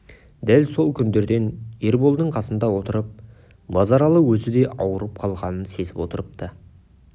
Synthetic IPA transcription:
d̪ælso̞lˠkʲʰʏnd̪e̞ɾd̪e̞ne̞ɾbo̞lˠd̪əɴqʰɑsənd̪ɑwo̞t̪əɾəp̚ | mɑzɑɾɑlˠəwɵzɪd̪e̞ʔɑwəɾəp̚qʰɑlˠʁɑnənse̞sɪpwo̞t̪əɾəp̚t̪ə

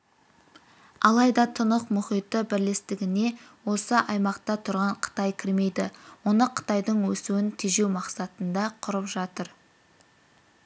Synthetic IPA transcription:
ɑlˠɑjd̪ɑt̪ʰənəqmʊχijt̪əbɪɾle̞st̪ɪɡʲɪne̞wo̞səʔɑjmɑqt̪ɑt̪ʰʊɾʁɑɴqʰə̥t̪ɑjkʲʰɪɾme̞jd̪ɪwo̞nəqʰə̥t̪ɑjd̪əɴwɵsuwɪnt̪ʰiʒe̞wmɑqsɑt̪ənd̪ɑqʰʊɾəpʒɑt̪əɾ

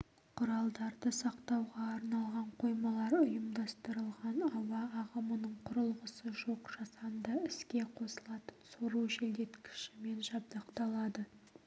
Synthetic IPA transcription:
qʰʊɾɑlˠd̪ɑɾd̪əsɑqt̪ɑwʁɑːɾnɑlˠʁɑɴqʰo̞jmɑlˠɑɾʊjəmd̪ɑst̪əɾəlˠʁɑnɑwɑːʁəmənəɴqʰʊɾəlˠʁəsəʒo̞qʒ̥ɑsɑnd̪ɑɪskʲe̞qʰo̞səlˠɑt̪ə̥nsoɾuʒeld̪e̞t̪kʲʰɪ̥ʃɪme̞nʒɑb̚d̪ɑqt̪ɑlˠɑd̪ə

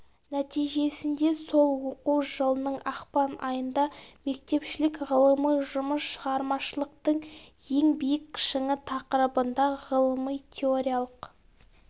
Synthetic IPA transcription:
næt̪ijʒe̞sɪnd̪e̞so̞lˠwoquwʒəlˠənəɴɑχpɑnʔɑjənd̪ɑme̞k̚t̪e̞pʃɪlɪkʁəlˠəməjʒʊməsʃəʁɑɾmɑʃəlˠəq̚t̪əɴje̞ŋbijɪkːʲʰɪ̥ʃɪŋɪt̪ʰɑqəɾəbənd̪ɑʁəlˠəməjt̪ʲʰeoɾʲijalˠəq

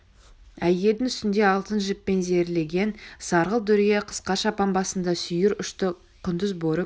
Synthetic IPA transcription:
æje̞ld̪ɪŋʏst̪ɪnd̪e̞ɑlˠt̪ənʒɪpːe̞nze̞ɾle̞ɡʲe̞nsɑɾʁəlˠd̪ʏɾijeqʰə̥sqɑʃɑpɑnbɑsənd̪ɑsʏjɪɾʏʃt̪ɪ | qʰʊnd̪əzboɾə

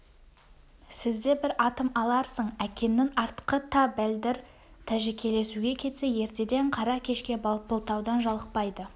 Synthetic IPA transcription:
sɪzd̪e̞bɪɾɑt̪əmɑlˠɑɾsəɴækʲe̞nːɪŋɑɾt̪ə̥qət̪ʰɑbæld̪ɪɾ | t̪ʰæʒekʲʰe̞le̞suɡʲe̞kʲʰe̞t̪se̞je̞ɾt̪e̞d̪e̞ɴqʰɑɾɑkʲʰe̞ʃkʲe̞bɑlˠbəlˠt̪ɑwd̪ɑnʒɑlˠəq̚pɑjd̪ə

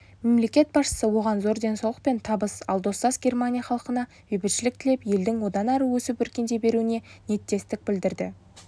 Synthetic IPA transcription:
me̞mle̞kʲe̞t̪̚bɑsʃə̥səwo̞ʁɑnzo̞ɾd̪e̞nsɑwlˠəq̚pe̞nt̪ʰɑbəsɑ̰lˠd̪o̞st̪ɑsɡʲe̞rmanʲijaχɑlˠəqənɑ | ɵjbɪɾʃɪlɪk̚t̪ʰɪle̞pje̞ld̪ɪŋwo̞d̪ɑnɑɾəwɵsɪpɵɾkʲe̞nd̪e̞be̞ɾuɪne̞ne̞t̪ːe̞st̪ɪk̚bɪld̪ɪɾd̪ɪ̰

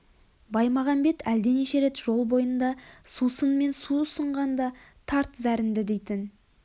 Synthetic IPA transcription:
bɑjmɑʁɑmbe̞t̪æld̪e̞neʃe̞ɾe̞t̪ʒo̞lˠbo̞jənd̪ɑsusənme̞nsuʊsəɴʁɑnd̪ɑt̪ʰɑɾt̪zæɾɪnd̪ɪd̪e̞jt̪ɪn

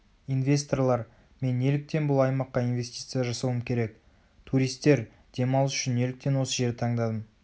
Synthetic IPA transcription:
invʲe̞st̪o̞rlˠɑɾ | me̞ne̞lɪk̚t̪e̞nbʊlˠɑjmɑqːɑinve̞sʲt̪ʲi̥t̪sɨjaʒɑsəlˠəmkʲʰe̞ɾe̞k | t̪ʰuɾijst̪e̞ɾ | d̪̥e̞mɑlˠəsʏʃɪne̞lɪk̚t̪e̞nwo̞səʒe̞ɾɪt̪ʰɑɴd̪ɑd̪əm

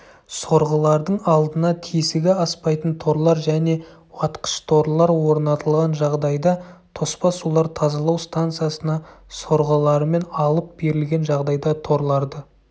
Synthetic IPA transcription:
so̞ɾʁəlˠɑɾd̪əɴɑlˠd̪ənɑt̪ʰisɪɡʲɪɑspɑjt̪ənt̪ʰo̞ɾlˠɑɾʒæne̞ | wɑt̪qə̥ʃt̪ʰo̞ɾlˠɑɾwo̞ɾnɑt̪əlˠʁɑnʒɑʁd̪ɑjd̪ɑt̪ʰo̞spɑsulˠɑɾt̪ʰɑzɑlˠɑwst̪ant̪sɨjasənɑso̞ɾʁəlˠɑɾəme̞nɑlˠəp̚be̞ɾɪlɡʲe̞nʒɑʁd̪ɑjd̪ɑt̪ʰo̞ɾlˠɑɾd̪ə

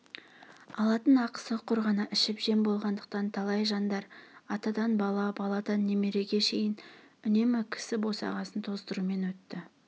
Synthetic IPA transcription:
ɑlˠɑt̪ənɑqə̥səqʰʊɾʁɑnɑʔɪʃɪpʒe̞mbo̞lˠʁɑnd̪əq̚t̪ɑnt̪ʰɑlˠɑjʒɑnd̪ɑɾɑt̪ɑd̪ɑnbɑlˠɑbɑlˠɑd̪ɑnːe̞me̞ɾe̞ɡʲe̞ʃe̞jɪn | ʏne̞mɪkʲʰɪ̥sɪbo̞sɑ̰ʁɑsənt̪ʰo̞zd̪əɾume̞nwɵt̪ːɪ

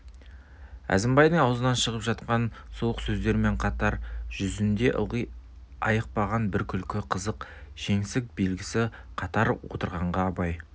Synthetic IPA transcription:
æ̰zɪmbɑjd̪əɴɑwəzənɑnʃəʁəpʒɑt̪qɑnsuwəqsɵzd̪e̞ɾɪme̞ɴqʰɑt̪ɑɾʒ̥ʏzɪnd̪e̞ʔʊʁij | ɑjəq̚pɑʁɑnbɪɾkʲʰʏlkʲɪqʰəzəqʒ̥e̞ŋsɪk̚be̞lɡʲɪsɪ | qʰɑt̪ɑɾwo̞̰t̪əɾʁɑɴʁɑːpɑj

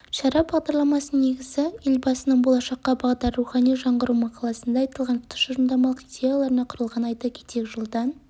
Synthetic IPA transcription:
ʃɑɾɑp̚bɑʁd̪ɑɾlˠɑmɑsəne̞ɡʲɪzɪelbɑsənəɴbo̞lˠɑʃɑqːɑbɑʁd̪ɑɾːuχɑnijʒɑɴʁəɾumɑqʰɑlˠɑsənd̪ɑɑjt̪əlˠʁɑnt̪ʰʊ̥t̪ʰə̥ʃʊɾəmd̪ɑmɑlˠəqid̪ʲe̞jalˠɑɾənɑqʰʊɾəlˠʁɑnɑjt̪ɑkʲʰet̪ekʲʒəlˠd̪ɑn

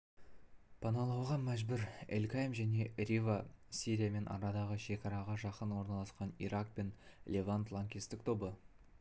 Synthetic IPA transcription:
pʰɑnɑlˠɑwʁɑmæʒbɪɾelkʲajmʒæne̞ɾʲivasʲiɾʲijame̞nʔɑ̰ɾɑd̪ɑʁəʃe̞kɑɾɑʁɑʒɑqənwo̞ɾnɑlˠɑsqɑnḭɾak̚pe̞nlʲʔevant̪lˠaŋkʲist̪ɪk̚t̪ʰo̞bə

